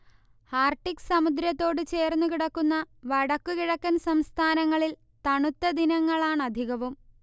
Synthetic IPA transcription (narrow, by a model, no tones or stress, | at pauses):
haːrʈːiksɐmud̪ɾjɐt̪ːo̞ːɽɨt͡ɕe̞ːrnːukiɽɐkːunːɐʋɐɽɐkːukiɻɐkːɐnsɐmst̪ʰaːnɐŋːɐɭil | t̪ɐɳut̪ːɐd̪inɐŋːɐɭaːɳɐd̪ʱiɣɐʋum